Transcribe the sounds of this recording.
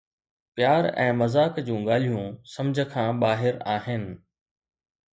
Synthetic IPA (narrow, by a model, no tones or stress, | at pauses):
pjaːɾɛ̰̃ːmɐzaːkd͡ʑũːɡaːl̤ijũsɐ̃md͡ʑʱə̆kʰãːɓaːɦɪɾaːɦɪnɪ̆